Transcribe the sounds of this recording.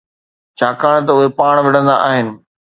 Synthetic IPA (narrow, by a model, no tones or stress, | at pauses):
t͡ɕʰaːkaːɽ̃̆t̪ɐʊɦepaːɽ̃ʋɐɽ̤ə̃nd̪a̰ʔaːɦɪnɪ̆